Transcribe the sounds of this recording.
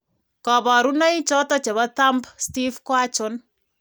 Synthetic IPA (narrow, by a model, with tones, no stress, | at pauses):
kɔ˨bɔ˨ɾuna˦jt͡ʃɔ˦tɔ˦t͡ʃe˨βata˦mbsti˦fkwa˦t͡ʃʊ˨n